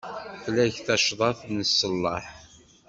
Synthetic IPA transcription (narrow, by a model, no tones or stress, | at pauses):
θlæçθæʃðˤɑθnəsːəlːɑħ